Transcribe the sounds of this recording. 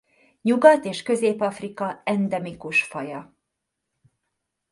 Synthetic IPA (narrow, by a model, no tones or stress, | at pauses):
ɲuɡɒt̪eːʃkø̞zeːpɒfrikɒɛnd̪ɛmikuʃfɒjɒ